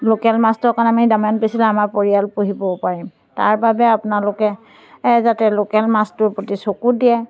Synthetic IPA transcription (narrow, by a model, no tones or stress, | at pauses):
lokɛlmastɔkanamidamanpesilɛamapoɹialpoɦibɔpaɹim | ta̰ɹbabɛapʊnalʊkɛ | zatɛlokɛlmastʊɹpotisokudiɛ